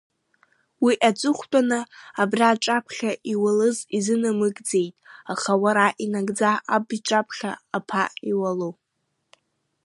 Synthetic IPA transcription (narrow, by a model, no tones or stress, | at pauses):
wiʔat͡sʷʼɨχʷt͡pʷʼanɨabraːʈ͡ʂʼapʰχʲaʔiwalɨzizɨnɨmɨɡʼd͡ze̞jtʼaχawaɾaʔinaɡʼd͡zaabʈ͡ʂʼapʰχʲa̰apʰaiwalo